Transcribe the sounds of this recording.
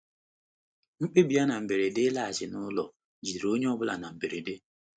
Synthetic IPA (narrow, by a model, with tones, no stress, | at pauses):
ŋ͡m̩˦k͡pe˦bi˨a˦na˨m̩˨be˨ɾe˨de˦la˦a˨d͡ʒɪ˨nʊ˦lɔ˨ | d͡ʒi˨ɾo˦ɲe˦ɔ˦bʊ˦la̰˨na˨m̩˨be˨ɾe˨de˦